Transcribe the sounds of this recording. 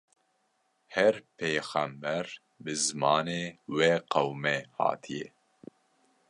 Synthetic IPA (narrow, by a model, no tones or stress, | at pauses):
hɛɾpʰeːxæmbɛɾ | bɨzɨmɑːneːweːqʰɐwmɛhɑ̰ːt̪ʰijɛ